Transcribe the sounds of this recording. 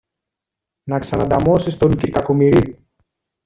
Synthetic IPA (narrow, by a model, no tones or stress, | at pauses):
nɐksɐnɐd̪ɐmosist̪onciɾkɐkomiɾiu